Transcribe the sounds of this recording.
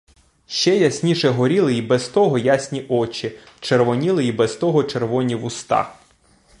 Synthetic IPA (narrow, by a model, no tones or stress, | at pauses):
ʃt͡ʃɛjɐsʲnʲiʃɛɦɔɾʲilˠɪibɛst̪ɔɦɔjasʲnʲiʔɔt͡ʃʲi | t͡ʃerʋɔnʲilˠɪibɛst̪ɔɦɔt͡ʃerʋɔnʲiʋʊst̪ɑ̰